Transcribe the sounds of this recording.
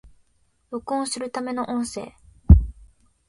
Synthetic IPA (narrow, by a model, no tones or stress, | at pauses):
jokõɰ̃sɨɾɯ̟t̪ame̞no̞ʔõɰ̃se̞̰ː